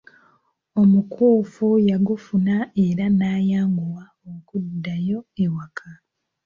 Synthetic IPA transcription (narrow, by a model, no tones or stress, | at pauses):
o̞mukʰuːfujaɡufunae̞ɾanaːjaːŋɡuwa | okudːajo̞ewakʰa